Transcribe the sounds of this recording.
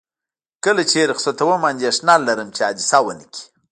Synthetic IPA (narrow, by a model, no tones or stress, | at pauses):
kəlat͡ʃeɾxsot̪ɐwəmand̪iaʂnalːaɾəmt͡ʃead̪isawəniki̥